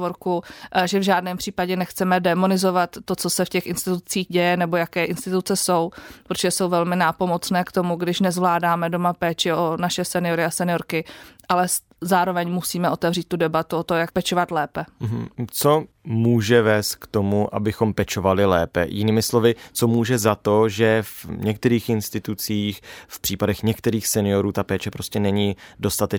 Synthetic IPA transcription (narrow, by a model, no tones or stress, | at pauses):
voɾkuʒɛvʒaːdnɛːmpr̥iːpaɟɛnɛxt͡sɛmɛdɛmo̞nɪzo̞vat̪ːo̞t͡so̞sɛfcɛxʔɪnst̪ɪt̪ut͡siːɣɟɛjɛnɛbo̞jakɛːʔɪnst̪ɪt̪ut͡sɛso̞wpɾot̪oʒɛso̞wvɛlmɪnaːpo̞mo̞t͡snɛːkt̪o̞muɡdɪʃnɛzvlaːdaːmɛdo̞mapɛːt͡ʃɪʔonaʃɛsɛnɪo̞ɾɪasɛnɪjo̞ɾkɪʔalɛ | zaːɾo̞vɛɲmusiːmɛʔo̞t̪ɛvriːt̪̚t̪ːudɛbat̪uot̪omjak̚pɛt͡ʃovat̪lɛːpɛm̩ɦ̩t͡so̞ | muːʒɛvɛːst̪̚kt̪o̞muʔa̰bɪxo̞mpɛt͡ʃo̞valɪlɛːpɛ̰jɪniːmɪslo̞vɪt͡so̞muːʒɛzat̪o̞ʒɛvɲɛkt̪ɛɾiːxɪnst̪ɪt̪ut͡siːxfpr̥iːpadɛxɲɛkt̪ɛɾiːxsɛnɪo̞ɾuːt̪apɛːt͡ʃɛpɾo̞scɛnɛɲiːdo̞st̪at̪ɛ